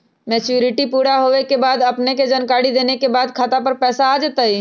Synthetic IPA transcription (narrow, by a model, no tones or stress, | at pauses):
mɛːt͡ʃjuːɾɪʈipuːɾaɦoːʋekebaːd̪ɐpneked͡ʒənkaːɾid̪eːnekebaːd̪kʰaːt̪apəɾpɛːsaːd͡ʒeːt̪aiː